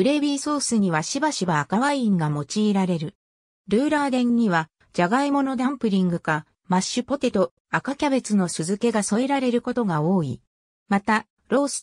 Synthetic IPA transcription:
ɯ̟ɾe̞bʲiːso̞ːsɨɲ̟iβaɕibaɕibaːkaβaĩŋɡamo̞t͡ɕiːɾaɾe̞ɾɯ̟ | ɾɯ̟ːɾaːd̪ẽ̞ɲ̟ːiβa | d͡ʑaɡaimo̞no̞d̪ãmpɯ̟ɾʲĩŋɡɯ̟ka | maɕɨpo̞t̪e̞t̪o̞ | akakʲaβe̞t͡sɨno̞sɨzɨke̞ɡaso̞e̞ɾaɾe̞ɾɯ̟ko̞t̪o̞ɡao̞ːḭ | mat̪a | ɾo̞ːsɨ̥

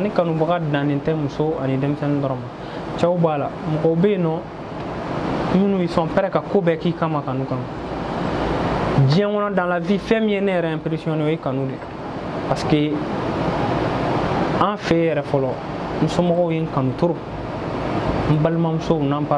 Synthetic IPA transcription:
nekanũbaɡadãnĩtɛmusoanidemisɛ̃nĩdɔɾɔ̃mã | t͡ʃaubalamɔɡɔubɛ̃nɔ̃ | mĩnũjesɔ̃pɛɾɛkakobɛkikãmakanũkãmã | d͡ʒĩɛ̃ŋɔnɔ̃dãlavifɛ̃mĩjenejɛɾɛãpeɾisiɔ̃neojekanũde | pase̥ke | ãfɛjɛɾɛfɔlɔ | musomɔɡɔujekãnũtoɾo | m̩balimãmusounãpa

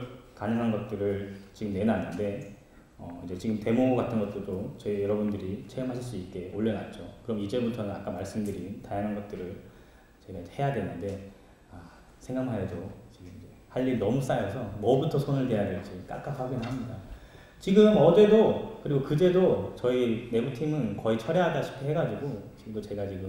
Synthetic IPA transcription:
kanɯŋɦanɡʌt̚t͈ɯɾɯɭt͡ɕiɡɯmne̞nanːɯnde̞ | ʌid͡ʑe̞t͡ɕiɡɯmte̞moɡatʰɯnɡʌt̚t͈ɯdot͡ɕʌijʌɾʌbundɯɾit͡ɕʰeɯmɦaɕʰiɭs͈uik͈e̞oɭːenat̚t͡ɕ͈okɯɾʌmid͡ʑebutʰʌnɯnak͈amaɭs͈ɯmdɯɾitajaŋɦanɡʌt̚t͈ɯɾɯɭ | t͡ɕeɡaid͡ʑehe̞jadwe̞nːɯnde̞ | a | sʰe̞ŋɡaŋhaedot͡ɕiɡɯmind͡ʑe̞haʎːiɾinʌmus͈ajʌsʰʌmʌbutʰʌsʰonɯɭde̞jadwe̞ɭt͡ɕ͈ik͈a̰k͈apʰaɡinɯɭɦamɲida | t͡ɕiɡɯmʌd͡ʑe̞dokɯɾiɡokɯde̞dot͡ɕʌine̞butʰimɯnkʌit͡ɕʰʌɾjʌɦadaɕʰi̥p̚kʰeɦeɡad͡ʑiɡokɯɾiɡot͡ɕe̞ɡat͡ɕiɡɯm

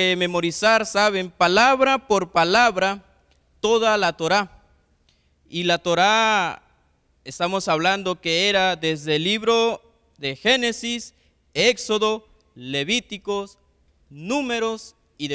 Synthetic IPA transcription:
eme̞mo̞ɾisaɾsaβempalaβɾapoɾpalaβɾa | t̪oðalat̪oɾa | ilat̪oɾa | est̪amosaβland̪okeeɾad̪ezðelːiβɾo | ðexenesis | ekso̞ðo | le̞βit̪ikos | numeɾos | iðe

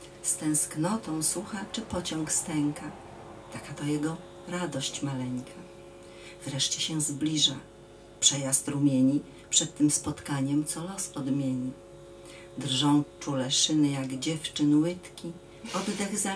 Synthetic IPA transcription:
st̪ɛ̃w̃sknɔt̪ɔ̃w̃suxat͡ʂɘpɔt͡ɕɔ̃ŋkst̪ɛŋkʰa | t̪akat̪ɔjɛɡɔ | ɾad̪ɔɕt͡ɕmalɛŋkʰa | vɾɛʂt͡ɕɛɕɛ̃zblʲiʐa | pʂɛjast̪ɾumʲjeɲi | pʂɛt̪ːɘmspɔt̪kaɲɛmt̪sɔlɔsɔd̪mʲjeɲi | d̪ɾʐɔ̃w̃t͡ʂulɛʂɘnɘjaɡd͡ʑɛft͡ʂɘnwɘt̪kʲi | ɔd̪d̪ɛɣza

